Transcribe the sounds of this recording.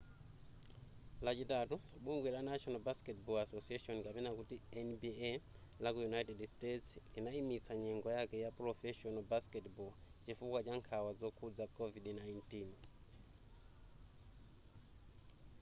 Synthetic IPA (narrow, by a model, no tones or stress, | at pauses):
lat͡ʃitatu | ɓuŋɡwilanat͡ʃɔnɔbaskɛtbɔasosiaʃɔnikapɛnakutiɛnbi | lakujunajtɛdstetsinaimit͡sʰaɲɛŋɡɔjakɛjapɾɔfɛʃɔnɔbaskɛtbɔt͡ʃifukwat͡ʃaŋkʰawad͡zɔkʰud͡zakʰɔvidnajntin